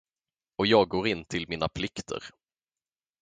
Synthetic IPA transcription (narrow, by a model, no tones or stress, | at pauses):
ɔjɑːɡ̚ɡoːɾɪnːt̪ʰɪlmiːnapʰlɪkt̪ʰə̰ɾ